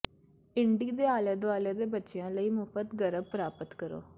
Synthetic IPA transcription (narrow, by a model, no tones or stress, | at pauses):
ɪɳɖiːd̪eːaːlaːd̪oaːlaːd̪eːbətːʃejãːləiːmʊfət̪ɡəɾəb̚pəɾaːpət̪kəɾo̰ː